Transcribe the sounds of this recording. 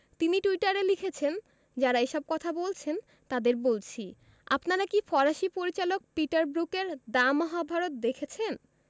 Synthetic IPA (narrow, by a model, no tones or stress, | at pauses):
t̪iniʈuiʈaɾelikʰet͡ɕʰen | d͡ʑaɾaeʃɔb̚kɔt̪ʰabolt͡ɕʰen | t̪ad̪eɾbolt͡ɕʰi | apnaɾakifɔɾaʃipoɾit͡ɕalok̚piʈaɾbɾukeɾd̪amɔɦabʱaɾot̪̚d̪ekʰet͡ɕʰen